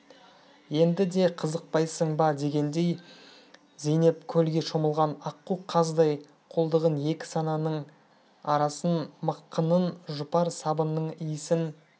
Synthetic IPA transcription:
je̞nd̪ɪd̪e̞qʰəzəq̚pɑjsəɴbɑd̪e̞ɡʲe̞nd̪e̞j | zijne̞pkʲʰɵlɡʲe̞ʃo̞məlˠʁɑnɑqːuqʰɑzd̪ɑj | qʰo̞lˠd̪əʁəne̞kʲɪ̥sɑnɑnəɴ | ɑɾɑsənməqːənənʒʊpɑɾsɑbənːəɴijɪsɪn

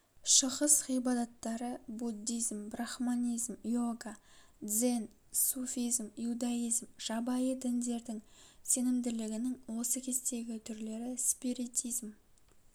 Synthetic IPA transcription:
ʃəʁəsχijbɑd̪ɑt̪ːɑɾəbud̪ːijzmbraχmanʲijzmjoɡad̪ze̞n | sufʲijzmjud̪ɑijzmʒ̥ɑbɑjəd̪ɪnd̪e̞ɾd̪ɪŋse̞nɪmd̪ɪlɪɡʲɪnɪŋwo̞səkʲʰe̞zt̪e̞ɡʲɪt̪ʰʏɾle̞ɾɪspiɾit̪ʰijzm

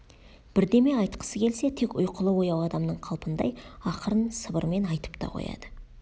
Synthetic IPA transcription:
b̥ɪɾd̪e̞me̞ɑjt̪qə̥səkʲʰe̞lse̞t̪ʰe̞kʊjqʰəlˠəwo̞jɑwɑd̪ɑmnəɴqʰɑlˠpənd̪ɑ̰jɑqəɾənsəbəɾme̞nɑjt̪ə̥pt̪ɑ̰qʰo̰jɑ̰d̪ə

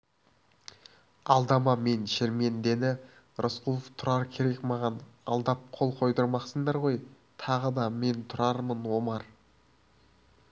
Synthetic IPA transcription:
ɑlˠd̪ɑmɑme̞nʃeɾme̞nd̪e̞nɪ | ɾʔosqulˠəft̪ʰʊɾɑɾkʲʰe̞ɾe̞kmɑʁɑnɑ̰lˠd̪ɑp̚qʰo̞lˠqʰo̞jd̪əɾmɑqsəɴd̪ɑɾʁo̞j | t̪ʰɑʁəd̪ɑme̞nt̪ʰʊɾɑɾmənwo̞mɑɾ

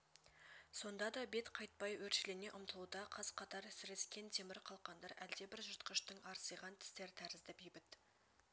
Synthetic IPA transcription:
so̞nd̪ɑd̪ɑbe̞t̪qʰɑjt̪̚pɑjwɵɾʃɪlene̞ʔʊmt̪əlˠud̪ɑqʰɑz̥qʰɑt̪ɑɾsɪɾeskʲe̞nt̪ʰemɪɾqʰɑlˠqɑnd̪ɑɾæld̪e̞bɪɾʒʊt̪qəʃt̪əɴɑɾsəjʁɑnt̪ʰɪ̥st̪e̞ɾt̪ʰæɾɪzd̪ɪbejbɪt̪

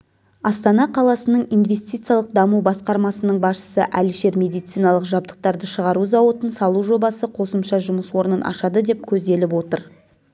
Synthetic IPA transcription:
ɑst̪ɑnɑqʰɑlˠɑsənəɴinve̞st̪ijt̪sɨjalˠəq̚d̪ɑmubɑsqɑɾmɑsənəɴbɑsʃə̥səʔælɪʃe̞ɾmʲe̞d̪ijt̪s̪ijnɑlˠəqʒɑb̚d̪ə̥q̚t̪ɑɾd̪əʃəʁɑɾuzɑwot̪ənsɑlˠuʒo̞bɑsəqʰo̞səmʃɑʒʊməswo̞ɾnənʔɑ̰ʃɑd̪əd̪e̞p̚kʲʰɵzd̪e̞lɪpwo̞t̪əɾ

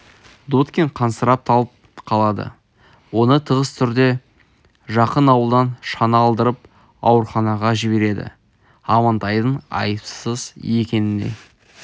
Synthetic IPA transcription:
d̪ot̪kʲeɴqʰɑnsəɾɑp̚t̪ʰɑlˠəp̚ | qʰɑlˠɑd̪ə̰ | wo̞nət̪ʰəʁəst̪ʰʏɾd̪e̞ | ʒɑqənɑwəlˠd̪ɑnʃɑnɑːlˠd̪əɾəp | ɑ̰wəɾχɑnɑʁɑʒɪbe̞ɾe̞d̪ɪ̰ | ɑmɑnt̪ɑjd̪əɴɑ̰jəpsəzje̞kʲe̞nɪnḛ

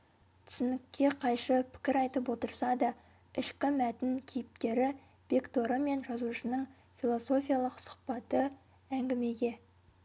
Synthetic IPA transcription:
t̪ʰʏ̥sɪnɪkʲːe̞qʰɑjʃəpʰɪ̥kʲɪɾɑjt̪əpwo̞t̪əɾsɑd̪ɑ | ɪʃkʲɪmæt̪ɪnkʲʰe̞jɪp̚t̪e̞ɾɪ | bekt̪o̞ɾəme̞nʒɑzuʃənəɴ | fʲilˠo̞so̞fʲijalˠəqsʊ̥χpɑt̪ə | æŋɡʲɪme̞ɡʲe̞

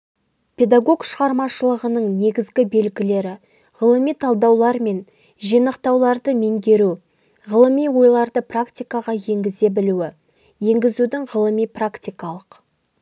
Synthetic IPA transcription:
pʲʰe̞d̪aɡo̞ɡʃəʁɑɾmɑʃəlˠəʁənəɴne̞ɡʲɪzɡʲɪbe̞lɡʲɪle̞ɾɪ | ʁəlˠəmijt̪ʰɑlˠd̪ɑwlˠɑɾme̞n | ʒijnəqt̪ɑwlˠɑɾd̪əme̞ŋɡʲe̞ɾu | ʁəlˠəmijwo̞jlˠɑɾd̪əprakt̪ʲijkɑʁɑje̞ŋɡʲɪze̞bɪluwɪ | je̞ŋɡʲɪzud̪ɪŋʁəlˠəmijprakt̪ʲijkɑlˠəq

